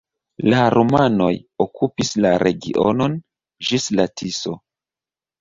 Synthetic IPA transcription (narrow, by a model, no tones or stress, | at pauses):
laɾʔomano̞̰jokʰupislaɾʔe̞ɡḭʔo̰no̞n | d͡ʒislatʰiso̰